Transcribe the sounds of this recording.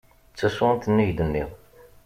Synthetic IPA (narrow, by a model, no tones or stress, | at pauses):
t͡sːæsʊənt̪ənːiʝd̪ənːiʁ